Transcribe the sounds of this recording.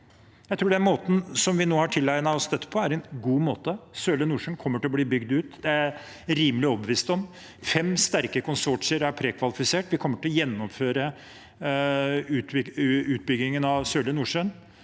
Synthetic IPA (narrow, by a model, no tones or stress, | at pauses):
jæɪt̪ʰɾuːɖɛnmoːt̪n̩sɔmʋɪnoːhɑʈʰɪlːæɪnɑɔsd̪ɛt̪ːə̥pʰɔæɾɛnɡuːmoːt̪əsøːlənuːʂənkʰɔmːəʈʰɪlɔbliːbʏɡd̪ʉːt̪d̪ɛæɾ | ɾiːməlɪɔbəʋiːst̪ɔm | fɛmst̪æɾkəkʰʊnsɔʈʂəɾæɾpʰɾeːkʰʋɑlɪfɪseːʈʋɪkʰɔmːəʈʰɪlɔjɛnːɔmføːɾə | ʉːʉːt̪̚bʏɡ̪ɪŋənɑʋsøːlənuːʂøn